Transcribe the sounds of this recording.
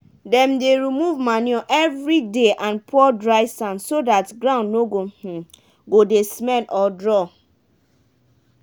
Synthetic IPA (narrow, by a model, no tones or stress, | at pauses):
dɛ̃mdeɾimuvmanjɔʔɛvɾideʔãnpʰɔdɹaɪsãnsodatɡɾãʊ̃ndnoɡoh̩ | ɡodesmɛnʔɔdɹɔ